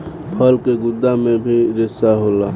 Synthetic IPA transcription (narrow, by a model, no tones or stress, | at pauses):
pʰəlkeɡʊd̪ːamẽbʱiɾɪsaɦolaː